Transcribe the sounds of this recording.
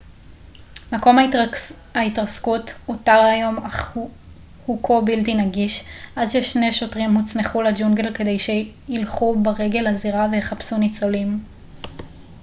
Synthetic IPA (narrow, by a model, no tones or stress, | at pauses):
mako̞ma | haitʁaskutotaʁajo̞ma | hukʰobiltinaɡiʃʔadʃeʃne̞ʃo̞tʁimhut͡sneχulad͡ʒuŋɡelke̞de̞jʃe̞ | ilχubaʁe̞ɡe̞laziʁaveheχapsunit͡so̞lim